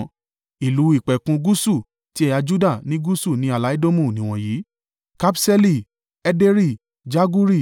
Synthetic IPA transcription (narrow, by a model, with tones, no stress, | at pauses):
i˨lu˨˦i˦˨k͡pɛ˨kũ˧ɡu˦su˦˨ | ti˦ɛ˦ja˧d͡ʒu˦da˦˨nĩ˦ɡu˦su˦˨nĩ˨˦a˦˨la˦i˦do˦mũ˦˨nĩ˨w̃ɔ̃˧jiː˨˦ | ka˦psɛ˦li˦˨ | ɛ˦de˦ɾi˦˨ | d͡ʒa˦ɡu˦ɾi˦˨